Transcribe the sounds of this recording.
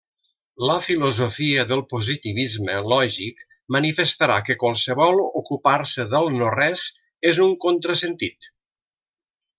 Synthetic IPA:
ləfiluzofiəðəlˠpuzit̪iβizməlɔʒik | mənifəst̪əɾakəkwalˠsəβɔlˠukupaɾsəðəlˠnorɛz | ezuŋkont̪ɾəsənt̪it̪

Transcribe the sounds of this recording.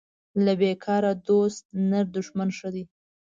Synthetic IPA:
labekʰɑɾad̪ost̪̚naɾd̪ʊʂmanʂəd̪i

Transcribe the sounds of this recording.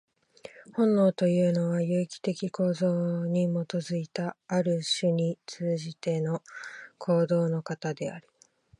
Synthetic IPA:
hõ̞nːo̞ːt̪o̞jɯ̟ːno̞βajɯːikʲi̥t̪e̞kʲiko̞ːzoːɲ̟imo̞t̪o̞zɨit̪aːɾɯ̟ɕɨɲ̟it͡sɨːʑit̪e̞no̞kʰo̞ːd̪o̞ːno̞kat̪ad̪e̞aɾɯ̥

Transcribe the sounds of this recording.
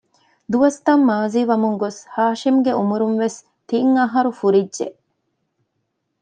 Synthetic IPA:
d̪uʋɐst̪ɐmːaːziːʋɐmuŋɡoshaːʃimɡeumuɾunʋes | t̪iŋɐɦɐɾufuɾidʒḛ

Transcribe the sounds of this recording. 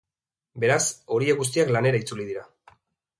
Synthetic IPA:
be̞ɾaso̞ɾieɣus̬t̪iaklane̞ɾait͡suliðiɾa

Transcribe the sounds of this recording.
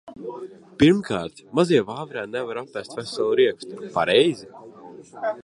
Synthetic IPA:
piɾmkʰaːɾt̪maziɛvaːvɾɛːnɛvaɾapːæst̪ʲvæsalˠuɾiɛkst̪upaɾɛjzi

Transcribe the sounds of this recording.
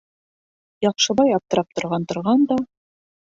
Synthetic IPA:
jɑqʃɤ̆βɑjɑp̚t̪ɤ̆ɾɑp̚t̪ŏɾʁɑnt̪ŏɾʁɑnd̪ɑ

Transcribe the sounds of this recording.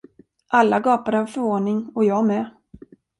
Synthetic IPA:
ʔalːaɡɑːpad̪əhavfœɾvoːnɪŋɔjɑːmɛː

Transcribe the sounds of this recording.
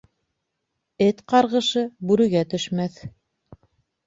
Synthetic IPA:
ɘt̪qɑɾʁɤ̆ʃɤbʉɾɘ̆ɡæt̪ɵ̆ʃmæθ

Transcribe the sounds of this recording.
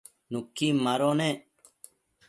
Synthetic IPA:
nukːiːmaɾoːneː

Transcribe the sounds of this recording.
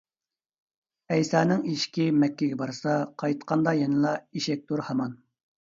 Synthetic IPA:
ɛjsɑːnɪŋiʃkʲimɛkʲːɪɡʲɛbɑɾsɑqʰɑjt̪qʰɑnd̪ɑjenɨlˠɑiʃɛk̚ʲt̪ʰuɾhɑmɑn

